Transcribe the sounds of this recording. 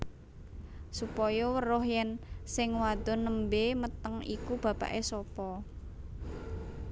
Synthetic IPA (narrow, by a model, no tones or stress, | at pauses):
supɔjɔwəɾʊhjɛnsɪŋwad̪̥ɔ̤nəmbemət̪əŋḭkub̥a̤pa̰ʔesɔpɔ